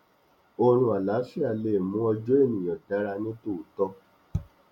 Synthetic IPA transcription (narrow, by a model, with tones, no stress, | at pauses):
o˧ɾ̃ũ˧a˨la˨˦fi˦a˦˨le˨mũ˦ɔ˧d͡ʒo˦e˦˨nĩ˨j̃ɔ̃˨tɛ˨˦ɾa˧nĩ˦to˦˨tɔ˧